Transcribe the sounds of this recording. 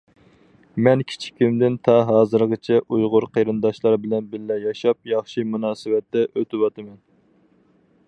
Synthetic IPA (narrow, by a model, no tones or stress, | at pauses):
mɛnkʲʰi̥t͡ʃʰi̥kʲʰymd̪ɪnt̪ʰɑɦɑːzɨɾʁət͡ʃʰɛʔujʁʊɾqʰeɾɨnd̪ɑʃlˠɑɾbɪlɛnbɪɾːɛjɑʃɑp̚jɑχʃimunɑːsɨwɛt̪ːɛʔøt̪ʰɪwɑt̪ɨmɛn